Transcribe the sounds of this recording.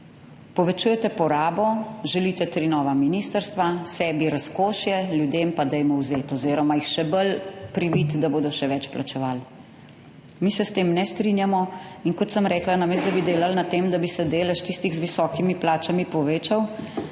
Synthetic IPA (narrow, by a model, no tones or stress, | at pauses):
pɔʋɛt͡ʃuːjɛt̪ɛpɔɾaːbɔʒɛlit̪ɛt̪ɾinɔːʋaminiːst̪əɾst̪ʋasɛːbiɾaskoːʃjɛljud̪eːmpad̪ɛjmɔwzeːt̪ɔziːɾɔmajixʃɛbəlpɾiʋiːt̪d̪aboːd̪ɔʃɛʋɛt͡ʃplat͡ʃɛʋaːl | misɛst̪eːmnɛst̪ɾinjamɔinkɔt̪səmɾɛːklanameːst̪d̪abid̪eːlalnat̪eːmd̪abisɛd̪eːlɛʃt̪ist̪iɣzʋisɔːkimiplaːt͡ʃamipɔʋeːt͡ʃaw